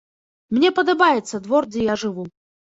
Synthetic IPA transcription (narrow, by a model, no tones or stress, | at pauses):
mnʲɛpɐd̪ɐbajɛt̪sːɐd̪vɔrd͡zʲɛjaʐɨvu